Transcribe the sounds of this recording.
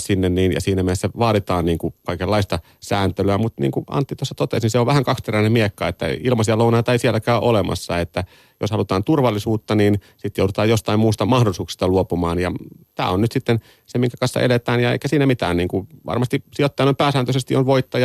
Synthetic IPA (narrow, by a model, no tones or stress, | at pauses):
sinːenniːnjɑ̰siːnæmiesːæʋɑːɾit̪ɑːnniːŋkukɑikelːɑist̪ɑ | sæːnt̪elyæmut̪nḭːŋkuʔɑ̰nt̪ːit̪osːɑt̪ot̪ḛˑsniseoʋʋæhæŋkɑksp̪eræinemiekːɑet̪ːæ̰ilmɑsiɑlounɑːt̪ɑeisiɛlːækæːʔolemɑ̰sːɑet̪ːæ | joshɑlut̪ɑːnt̪urʋɑlːisuːt̪ːɑnin | sit̪joudut̪ɑːjost̪ɑimmuːst̪ɑmɑhdolisuːksi̥st̪ɑluopumɑːnjɑt̪æ̰ːonnyt̪sit̪ːen | semiŋkækɑnsːɑ̰ʔḛlet̪æːnjɑḛikæsiːnæmit̪æ̰ːnniːŋkuʋɑ̰rmɑst̪isiot̪ːiɑnoimpæːsæːnt̪øsest̪ionʋoit̪ːɑjɑ